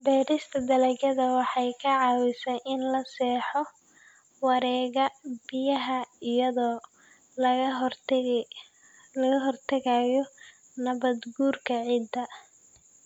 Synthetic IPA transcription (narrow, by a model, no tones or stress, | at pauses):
bɛːɾɪst̪ʰɐd̪ɐlɛɡɐðɐwɑħɑjkʰɐʕɑːwɪsɛjʔɪnlɐsɛːħɔ | wɑɾɛːɣɐbɪjɐɦɐɪjɐðɔː | lɐ | lɐɣɐɦɔrt̪ʰɐɣaːjɔ | nɐβɐd̪ɡuːrkʰɐʕiːd̪ɐ